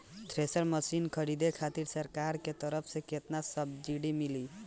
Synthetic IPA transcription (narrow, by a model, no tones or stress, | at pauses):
t̪ɾesəɾməsinkʰəɾid̪ekʰat̪iɾsəɾkaɾket̪əɾəpʰsẽket̪nasəb̚d͡ʒiɽimili